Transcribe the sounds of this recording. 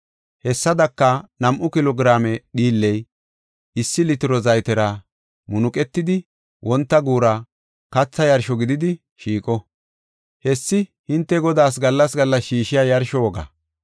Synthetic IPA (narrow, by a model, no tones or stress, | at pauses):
hɛsːɐd̪ɐkːɐnɐmʔʊkɪlɔɡɾaːmɛɗiːlːɛj | ɪsːɪlɪt̪ɪɾɔzɐjt̪ɛɾɐ | mʊnʊkʼɛt̪ːɪd̪ɪ | wʔɔnt̪ːɐɡuːɾɐ | kɐt͡sːɐjɐɾʃɔɡɪd̪ɪd̪ɪ | ʃiːkʼɔ | hɛsːɪhɪnt̪ːɛɡɔd̪aːs̬ɡɐlːɐsɡɐlːɐsʃiːʃɪjajɐɾʃɔwɔɡɐ̰